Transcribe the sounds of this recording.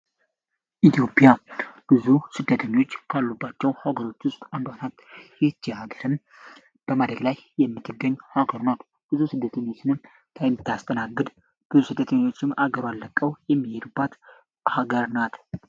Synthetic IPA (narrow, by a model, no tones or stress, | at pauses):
ʔit̪ʰjo̞pʼijab̥ɨzusɨd̪ːət̪ʰəɲːwo̞t͡ʃːkʰalːubːat͡ʃːɛwhaɡəɾo̞t͡ʃːwʊst̪ʼand̪anat̪jɪt͡ʃːihaɡəɾɨn | b̥əmad̪ɾəɡlajjɛmːɨt̪ʰːɨɡːəɲːhaɡəɾnat̪ | b̥ɨzusɨd̪ːət̪ʰəɲːo̞t͡ʃːɪnɨm | t̪ʰajmɨt̪ʰːast̪ʼʰənaɡːɨd̪ | b̥ɨzusɨd̪ːət̪ʰəɲːwo̞t͡ʃːɪmaɡəɾalːəkʼːəwjɛmːihed̪ubːat̪ | haɡəɾnat̪